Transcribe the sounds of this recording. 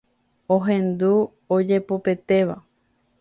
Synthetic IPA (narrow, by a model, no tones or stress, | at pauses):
oɦẽ̞nd̪u | od͡ʒe̞pope̞t̪e̞ʋa